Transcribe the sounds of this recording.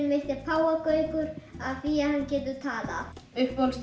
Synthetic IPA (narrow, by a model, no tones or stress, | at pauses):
nvejht̪ɪpʰaːwakœːʏɥkʏɾ̥aðfiahanːcɛːt̪ʏt̪ʰaːla̰ʏhpːols